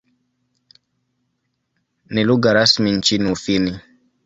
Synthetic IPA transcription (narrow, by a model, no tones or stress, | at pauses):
niluɡaɾasmint͡ʃinufini